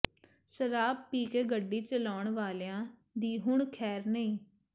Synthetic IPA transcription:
ʃəɾaːb̚piːkeːɡəɖːiːt͡ʃəlaːɳʋaːlejãː | d̪iːɦʊɳkʰɛːɾnəĩː

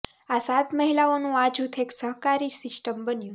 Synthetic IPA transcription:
asat̪məɦilaonũad͡ʒʱut̪ʰeksəɦkaɾisɪsʈəmbənjũ

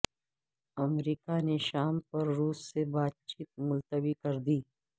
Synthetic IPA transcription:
ɐmɾiːkaneʃaːmpɐɾːuːsːebaːt̪̚t͡ʃiːt̪̚mʊlt̪əbikɐɾd̪iː

